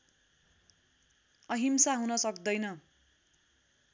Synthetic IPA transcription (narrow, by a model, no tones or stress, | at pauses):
ʌɦimsaɦunʌsʌkd̪ʌjnʌ